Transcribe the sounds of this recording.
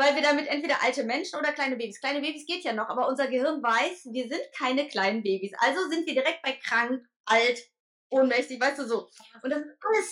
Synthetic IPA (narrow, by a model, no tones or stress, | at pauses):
vaɪlviːɐɾamɪtʔɛntv̥eːɾɐʔaltəmɛnʃn̩ʔoːdɐkl̥aɪnəbeːbiskl̥aɪnəbeːbisɡ̥eːtjaːnɔχʔaːbɐʔʊnzɐɡəhɪɐnvaɪsviːɐzɪntkʰaɪnəkl̥aɪnənbeːbisʔa̰lzozɪntv̥iːɐdiʁɛk̚t̚b̥aɪkʁ̥aŋ | ʔalt | ʔoːnmɛçtɪçv̥aɪstd̥uːzoːʔʊntd̥asnəs